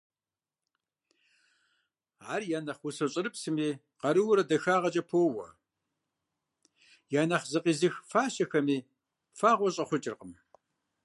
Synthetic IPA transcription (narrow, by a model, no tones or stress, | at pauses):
aːrjaːnɐχwʊsɐɕʼɪɾɨpsɨmiː | qɐɾɨwʊɾɐdɐxaːʁɐt͡ʃʼɐpʰoːwɐ̰ | jaːnɐχzɨqʼiːzɨxfaːɕɐxɐmiː | faːʁʷɔɕʼɐχʷʊt͡ʃʼɪrqəm